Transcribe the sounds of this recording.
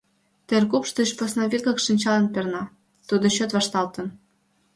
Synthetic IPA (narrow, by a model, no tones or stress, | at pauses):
t̪erkupʃt̪əɕposnɑβʲikɤ̆kʃinʲt͡ɕɑlə̆npernɑ | t̪ud̪ŏɕøt̪vɑʃt̪ɑlt̪ə̆n